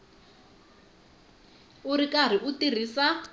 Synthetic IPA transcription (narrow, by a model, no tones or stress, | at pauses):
urikʼar̤iʔutir̤iːsa